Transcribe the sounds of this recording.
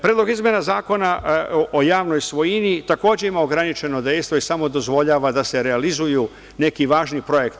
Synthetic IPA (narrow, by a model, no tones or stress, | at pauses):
pɾeːd̪lo̞ɡizmje̞nazaːko̞naʔojaːʋno̞jsʋo̞jinit̪ako̞ːd͡ʑe̞imaoɡɾanit͡ʃe̞no̞d̪e̞jst̪ʋo̞isamo̞d̪o̞zʋo̞ʎaːʋad̪ase̞ɾealizuju | ne̞kiʋaːʒnipɾo̞je̞kt̪